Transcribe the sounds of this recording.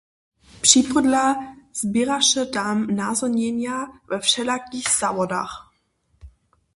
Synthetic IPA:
pr̥ipədlaz̥biɾaʃətamnaːzɔɲɛmjavɛfʃɛlakiːxz̥avɔda̰ːx

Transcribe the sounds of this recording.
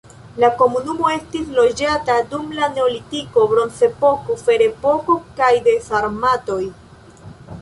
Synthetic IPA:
lako̞munumo̞e̞stislo̞d͡ʒatadumlane̞olitiko̞bɾo̞nse̞po̞kofe̞ɾe̞po̞kokajde̞faɾmato̞j

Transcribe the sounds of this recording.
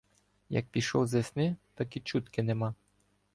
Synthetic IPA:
ja̰k̚pʲiʃɔwzɛsnɪt̪akit͡ʃut̪kɪnɛmɑ

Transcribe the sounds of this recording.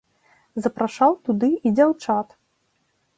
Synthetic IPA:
zɐpɾaʂawt̪ud̪ɨid͡zʲawt͡ʂat̪

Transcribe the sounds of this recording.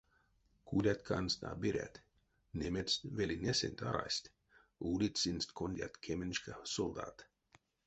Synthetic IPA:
kʰulʲat̪kʰanst̪a̰ːbiɾʲæ̰t̪ʲ | nʲemʲet̪svelʲinʲesʲenʲt̪ʲaɾa̰sʲt̪ʲ | uːlʲit̪ʲsʲinsʲt̪konʲd̪ʲa̰t̪kʰʲemenʲʃkasɔlˠd̪a̰ːt̪

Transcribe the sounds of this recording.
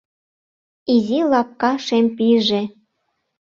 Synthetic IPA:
izilɑp̚kɑʃempiʒe

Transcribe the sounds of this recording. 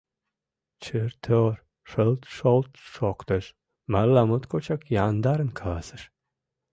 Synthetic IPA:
t͡ʃʰɨɾt̪ʰoɾ | ʂɨlˠt̪ʃolˠt̪ʃoqt̪ɨʃ | malːamut̪kʰot͡ʃʰakjand̪aɾɨnkʰalasɨʃ

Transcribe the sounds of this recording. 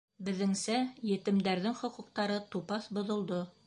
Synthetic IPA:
bɘ̆ðɘ̆ŋsæjɘ̆t̪ɘ̆md̪æɾðɘŋχŏqŭq̚t̪ɑɾɤt̪upɑθbŏðŏlˠd̪o

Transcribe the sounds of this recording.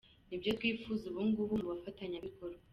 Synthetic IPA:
nibɟo̞twiːfuzuβuːŋɡuβumuβafataɲaβikʰo̞ɾ

